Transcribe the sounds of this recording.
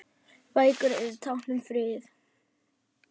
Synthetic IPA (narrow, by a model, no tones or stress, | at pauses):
vaːjkʏɾɪðt̪ʰawhnʏmfɾɪːθ